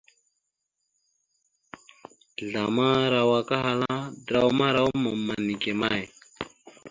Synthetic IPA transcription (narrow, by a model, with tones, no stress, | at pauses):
ɮa˨ma˦ɾa˨wa˨ka˦ɦa˨la˦d̪ɾa˨wma˦ɾa˦wma˨mːa˨ni˨ke˨ma˦j